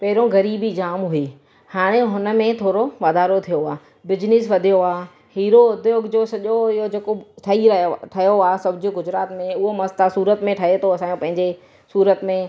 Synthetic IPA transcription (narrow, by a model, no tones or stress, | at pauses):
pɐɦɪɾõɡɐɾiːbid͡ʑaːmɦʊiː | haːɽ̃ẽɦʊnə̆mẽt̪ʰoːɾoʋaːd̪ʱaːɾot̪ʰijoaː | bɪd͡ʑnɪs̬ʋɐd̪ʱijoaː | hiːɾoʊd̪ʱjoːɡd͡ʑosɐʄoɪɦod͡ʑeːkoʈʰɐiʈʰɐjoaːsɐbʱɪd͡ʑɪɡʊd͡ʑɾaːt̪mẽʊɦomɐst̪asuːɾət̪mẽʈʰɐɦet̪ʰoɐsãːjõpɐ̃ɦɪ̃ɲd͡ʑe | suːɾət̪mẽ